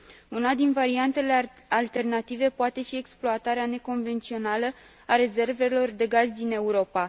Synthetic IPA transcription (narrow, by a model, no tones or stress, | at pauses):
unad̪invaɾiant̪e̞le̞ | alt̪e̞rnat̪ive̞poat̪e̞fie̞ksploat̪aɾeane̞ko̞nve̞nt̪sio̞nalə | aɾe̞ze̞rve̞lo̞rd̪e̞ɡazʲd̪ine̞uɾo̞pa